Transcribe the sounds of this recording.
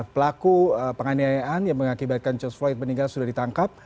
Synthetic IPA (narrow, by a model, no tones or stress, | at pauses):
pəlakuəpəŋaniajaʔanjaŋməŋakibat̪̚kant͡ʃɔsfaɪt̪̚məniŋɡalsudahdit̪aŋkap̚